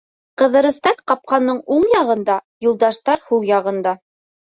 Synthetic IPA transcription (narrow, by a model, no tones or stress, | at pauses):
qɤ̆ðɤ̆ɾɤ̆st̪ɑt̪qɑp̚qɑnːɤɴuɴjɑʁɤ̆nd̪ɑ | julˠd̪ɑʃt̪ɑɾhuwjɑʁɤ̆nd̪ɑ